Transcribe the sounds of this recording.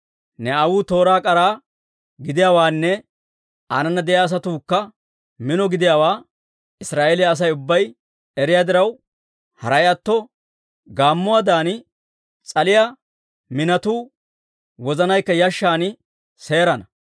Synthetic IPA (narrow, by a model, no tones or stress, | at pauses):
nɛɐwuːt̪o̞ːɾaːkʼɐɾaː | ɡɪd̪ɪjaːwaːnːɛ | anɐnːɐd̪ɛʔjaːs̬ɐt̪uːkːɐ | mɪnɔɡɪd̪ɪjaːwaː | ɪsɾaːʔelɪjɐːs̬ɐjʊbːɐj | ɛɾɪjaːd̪ɪɾɐw | hɐɾɐjɐt̪ːɔ | ɡaːmːʊwaːd̪aːn | t͡sʼɐlɪja | mɪnɐt̪uː | wɔzɐnɐjkːɐjɐʃːaːnɪ | se̞ːɾɐnɐ